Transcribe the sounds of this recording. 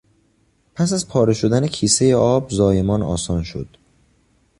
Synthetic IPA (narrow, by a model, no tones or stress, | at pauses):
pʰæsæzpʰɒːɾe̞ʃo̞d̪ænecʰiːse̞jeɒːbzɒːje̞mɒːnɒ̰ːsɒːnʃo̞̰d̪̥